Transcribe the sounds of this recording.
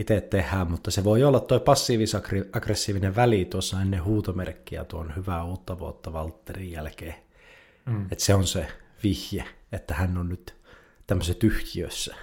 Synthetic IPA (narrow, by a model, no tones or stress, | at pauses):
it̪eˑt̪t̪ehˑæːmmut̪ːɑseʋoiolːɑt̪toipɑsːiːʋisɑkriɑɡresːiːʋineʋʋælit̪uosːɑenːehuːt̪omerkːiæ̰t̪uonhyʋæuːt̪ːɑʋuo̰t̪ːɑʋɑlt̪ːerijjælkeː | et̪seonseʋihjeet̪ːæhænːonnyt̪ | t̪æmːøsæt̪yhkiøsːæ